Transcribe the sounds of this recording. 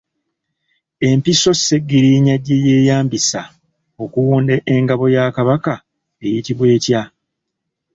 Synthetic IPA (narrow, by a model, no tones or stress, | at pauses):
e̞mpiso̞se̞ɡːiɾiɲaɟːeje̞ːjaːmbisa | o̞kuwuːndeʔeŋɡaβo̞jakaβaka | e̞jitiβwe̞ːtja